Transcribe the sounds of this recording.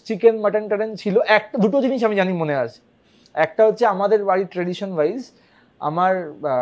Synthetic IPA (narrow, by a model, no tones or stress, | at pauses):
t͡ɕikenmaʈankaɽent͡ɕʰiloʔɛk̚ʈad̪uʈod͡ʑiniʃamid͡ʑanimoneat͡ɕʰe̥ | ɛk̚ʈaɦotːɕʰeamad̪eɾbaɾiʈɾeɖiʃonbajz | a̰maɾ